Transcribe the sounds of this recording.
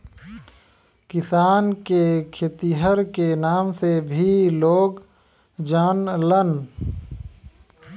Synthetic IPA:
kɪsaːnkekʰeːt̪iɦəɾkenaːmsebʱiloːɡ | d͡ʒaːnlən

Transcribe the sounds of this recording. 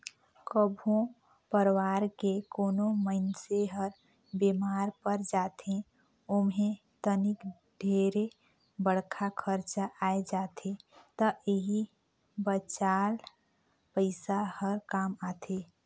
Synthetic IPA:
kəbʱõ | pəɾwaːɾkekoːnoməɪnseɦəɾ | bemaːɾpəɾd͡ʒaːt̪ʰẽ | ʊmɦẽ | t̪ənik | ɖʱeːɾe | bəɽkʰakʰəɾt͡ʃaʔaːed͡ʒaːt̪ʰet̪əʔeɦi | bət͡ʃaːl | pəɪsahəɾkaːmaːt̪ʰe

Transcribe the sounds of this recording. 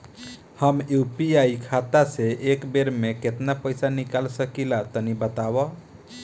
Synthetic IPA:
həmjupiaikʰat̪aseʔekbeɾmeket̪napəjsanikalsəkilat̪ənibət̪abɔ

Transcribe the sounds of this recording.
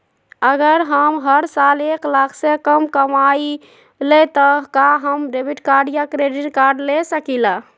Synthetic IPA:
əɡəɾɦəmɦəɾsaleklakʰsekəmkəmai | let̪əkaɦəmɾebiʈkaɾɖijakɾeɖiʈkaɾɖlesəkila

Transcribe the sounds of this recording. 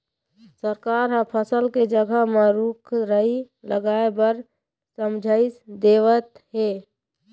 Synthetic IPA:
səɾkaːɾɦə̃pʰəsəlked͡ʒəɡʱəmeɾuːkʰɾəɦi | ləɡaːebəɾ | səmd͡ʒʱaɪsd̪eːʋət̪ɦeː

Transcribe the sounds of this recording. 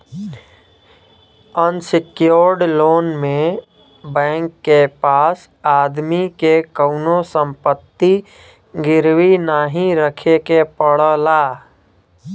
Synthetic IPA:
ənsɪkjoɾɖloːnmẽ | bɛ̃ːŋkːepaːs | aːd̪mikekəʊnosə̃mpət̪ːi | ɡɪɾwinaːɦĩɾəkʰekepəɽəlaː

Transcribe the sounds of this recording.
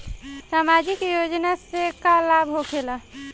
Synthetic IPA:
samad͡ʒikjod͡ʒnasekalabʱɦokʰela

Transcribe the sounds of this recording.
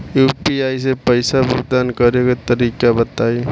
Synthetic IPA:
juːpiaːisepɐɪsabʱʊɡ̚d̪aːnkɐɾekat̪ɐɾiːkabɐt̪aːi

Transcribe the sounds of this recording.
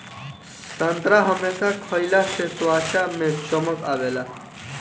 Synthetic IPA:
sɐ̃nt̪ɾaɦɐmeːsakʰoːilaseswaːt͡ɕamẽt͡ɕoməkaːʋeːlaː

